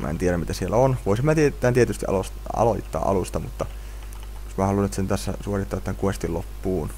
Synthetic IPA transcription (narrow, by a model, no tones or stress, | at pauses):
mʔæ̰ḛnt̪ieɾæmit̪æsielæonʋoisimmæːt̪iet̪ːˑænt̪iet̪yst̪iʔɑ̰s | ɑ̰loit̪ːɑ̰ːʔɑ̰lust̪ɑmṵt̪ːɑ | josmæhɑlunet̪sent̪æsːæsuorit̪ːɑːt̪ːæŋkuest̪ilopːuːn